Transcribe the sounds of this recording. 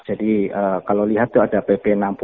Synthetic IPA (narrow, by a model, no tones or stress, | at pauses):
d͡ʒadiəːkaloliɦat̪ːuadapepenamp